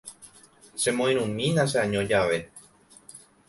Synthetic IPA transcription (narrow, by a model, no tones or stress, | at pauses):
ʃe̞mõĩɾ̃ũmĩnaʃ̬eãɲõd͡ʒaʋe̞